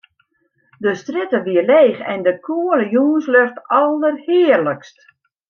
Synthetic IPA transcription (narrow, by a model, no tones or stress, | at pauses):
dəstrɪtəʋiərleːxɛ̰ndəkʰuələjuːnsløxtɔlˠərhɪərləkst